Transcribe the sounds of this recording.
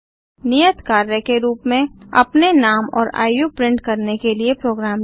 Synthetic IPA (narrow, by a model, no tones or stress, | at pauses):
nijət̪kaːɾjəkeɾuːpmẽɐ̰pnenaːmɔːɾa̰ːjjupɾɪ̃ɳʈkɐɾnekeliepɾoːɡɾaːm